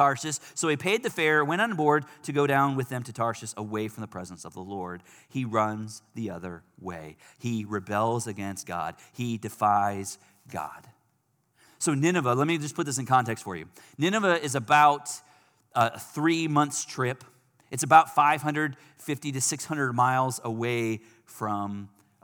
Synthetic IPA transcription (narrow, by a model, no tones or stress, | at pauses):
ɑɹʃɨsːoʊipʰeɪd̪̚ðɨfɛɹwɛ̃ñn̩bɔɹd̚tʰɨɡoʊɾãʊ̃nwɨðɨ̃mtʰɨtʰɑɹʃɨsəweɪfɹʌ̃mðəpʰɹ̥ɛzn̩sʌvðəlɔɹd̥̚ | iɹʌ̃nzðiʌðə̰˞wḛɪiɹɨbɛlˠzɨɡɛ̃nst̚ɡ̥ɑ̰d̥̚idɨfaɪz̥ | ɡɑ̰d̥ | soʊnɪnɨvəlɛt̚mid͡ʒʌspʰʊt̪̚ðɪsɨ̃n̩kʰɑ̃ntɛkstfə˞jʉ̰ | nɪnɨvəɪzɨbaʊt | θɹimʌ̃nθstʰɹ̥ɪp | ɨtsɨbaʊtfaɪv̥hɦʌ̃ndɹɨd̥ | fɪftiɾɨsɪkshʌ̃ndɹəd̚maɪlˠzəweɪ | fɹʌ̃m